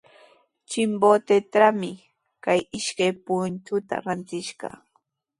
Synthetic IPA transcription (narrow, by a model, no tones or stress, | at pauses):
t͡ʃɪmbot̪et̪ɾamɪ | kajɪʃkajpʊnnt̪ʊt̪a̰ɾant̪ɪʃɢɑ̰